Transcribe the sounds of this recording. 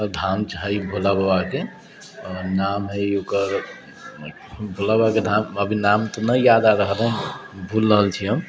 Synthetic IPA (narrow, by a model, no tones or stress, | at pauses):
əd̪ʱamt͡ʃʰaɦaibʱulabbake | namɦəjokəɾ | bʱulabaked̪ʱaməbʱinamt̪ɔnəijad̪aɾəɦələbʱulːəɦəlt͡ʃʰiɦəm